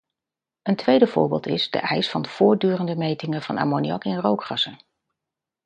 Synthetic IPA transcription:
əntʋejdəv̥ʊ̰ːɹbɪ̰ːlˠtɪzdə̰ʔɛjsfɑndəv̥ʊːɹ̚dyːrəndəmejtɪŋəv̥ɑna̰ːmoniɑ̰kɪnrowkrɑsə

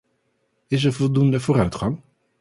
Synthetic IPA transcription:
ɪs̬əɹvɔlˠdundəvoːɾœɥtχɑŋ

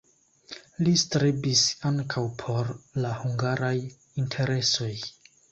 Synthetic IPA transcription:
listɾibisaŋkʰawpʰo̞ɾlahuŋɡaɾaj | intʰe̞ɾe̞so̞j

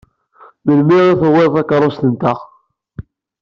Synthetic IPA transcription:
məlmiʁiθəweðˤækɾˤost̪ənt̪əʁ

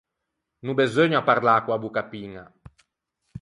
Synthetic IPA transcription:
nubezøɲapːaɾlakːwabukapːiŋa̰

